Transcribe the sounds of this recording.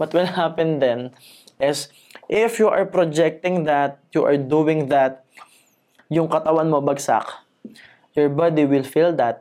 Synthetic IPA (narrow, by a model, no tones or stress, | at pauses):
wɐt̪wɛlhapɛnd̪ɛn | ʔɪs | ʔɪfjuʔɐɹpɾod͡ʒɛk̚t̪ɪ̃ŋd̪at̪̚juʔɐɹd̪uwɪ̃ŋðat̪̚ | jʊŋkɐt̪ɐwanmobɐɡsa̰k | jɔɹbad̪iwɪlfild̪at̪̚